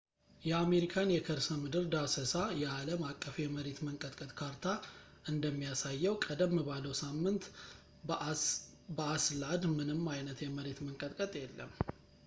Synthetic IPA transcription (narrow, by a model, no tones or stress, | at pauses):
jɛame̞ɾikʰanjɛkʰəɾsəmɨd̪ɨɾd̪asəsajɛaləmakʼːəfjɛməɾe̞t̪məŋkʼət̪ʼkʼət̪ʼkʰaɾt̪ʰa | ʔɨnd̪əmːijasajːɛwkʼəd̪əmːɨβaləwsamːɨnt̪ | bəaslad̪mɨnɨmːajnət̪jɛməɾe̞t̪məŋkʼət̪ʼkʼət̪ʼjɛlːə̰mː